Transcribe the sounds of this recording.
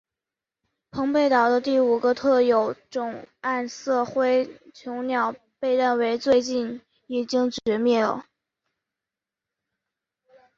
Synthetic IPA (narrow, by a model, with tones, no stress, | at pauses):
pʰɤ˧˥ŋpe˥˩ɪt̪ɑ˨˩ʊd̪ə˦t̪i˥˩u˨˩ɡə˦t̪ʰɤ˥˩jo˧˥ʊʈ͡ʂʊ˨˩ŋa˥˧nsɤ˥˩xwe˥ɪt͡ɕʰjʊ˧˥ʊnjɑ˨˩ʊ | pe˥˧ɪɻa˥˩nwe˧˥ɪt͡swe˥˧ɪt͡ɕi˥˩n | i˨˩t͡ɕi˥ŋt͡ɕɥɥɛ˧˥mjɛ˥˩lə̰˩